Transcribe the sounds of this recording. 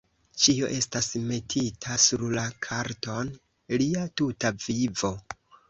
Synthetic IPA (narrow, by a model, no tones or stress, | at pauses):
t͡ʃio̞̰ʔe̞stasme̞tʰitʰasuɾlakʰaɾto̞n | liatutavivo̞